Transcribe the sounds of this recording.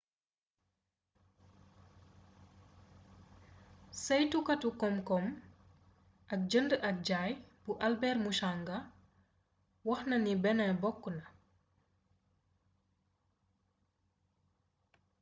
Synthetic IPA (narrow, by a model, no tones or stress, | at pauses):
sɐjtukɐtukɔmkɔm | ʔɐk̚d͡ʒəndəʔɐk̚ɟaːjb̥uʔɐlbɛrmuʃaŋɡɐ | wɔxnɐnibɛnɐbɔkːənɐ